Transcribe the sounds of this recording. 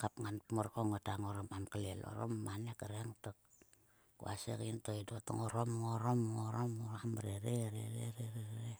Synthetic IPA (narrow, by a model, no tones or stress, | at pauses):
kapŋanpmoɾkoŋotaŋoɾomamkalelo̰ɾo̰mmanekaɾeŋtok̚ | kṵa̰sḛkintoidoto̰ŋoɾomŋoɾomŋoɾomoamɾeɾeɾḛɾeɾeɾeɾe